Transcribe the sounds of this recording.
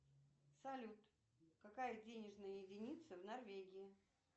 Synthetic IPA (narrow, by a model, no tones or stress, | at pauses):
sɐlʲut̪ | kɐkajədʲenʲɪʐnəjəjɪdʲɪnʲit̪səvnɐrvʲeɡʲɪjɪ